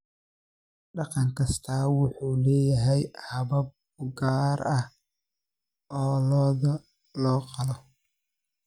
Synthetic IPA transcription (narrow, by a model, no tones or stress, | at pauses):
ɖɑqɑŋkʰɐst̪ʰaːwʊħuːlɛːjɐɦɛjhɐβɐb̚ | ɡaːɾɐh | ɔːlɔːðɐ | lɔːqɑlɔ